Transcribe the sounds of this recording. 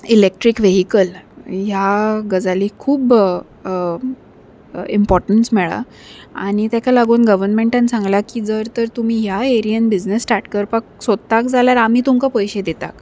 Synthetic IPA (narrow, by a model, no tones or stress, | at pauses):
ilek̚ʈɾikʋeɦikəljaɡəd͡zaliːkʰuːb | impɔɾʈəɳsmɛɭa̰ | a̰ɽ̃it̪jakalaɡuːnɡəʋəɾnmẽɳʈãnsãŋɡlakiːd͡zəɾt̪əɾt̪um̤iːɦjaeɾijənbid͡znəsːʈaɾʈkəɾpak̚sod̪̚t̪akd͡zʱaljaɾam̤iːt̪umkapəjɕed̪et̪a̰k